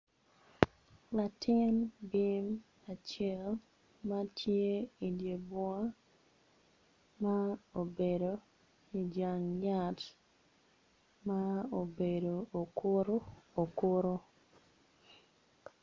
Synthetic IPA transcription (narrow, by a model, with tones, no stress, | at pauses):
la˨tɪ˦nbi˦m | a˨t͡ʃɛ˦l | ma˦tʰje˦i˨dje˨bwa˦ | ma˦o˨be˨do˨ | i˨d͡ʒa˨ŋɲa˦˨t | mao˨be˨do˨o˨ko˦ɾo˦o˨ko˦ɾo˦